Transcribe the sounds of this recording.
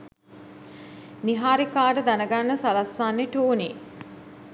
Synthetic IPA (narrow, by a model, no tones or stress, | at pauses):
niɦaːɾikaːʈəd̪anəɡanːəsalasːaːnːeʈoːni